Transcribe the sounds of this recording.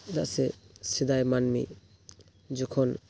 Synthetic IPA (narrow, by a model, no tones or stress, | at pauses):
d̪a̰ʔsɛsɛd̪ajmanmḭʔ | d͡ʒɔkʰɔn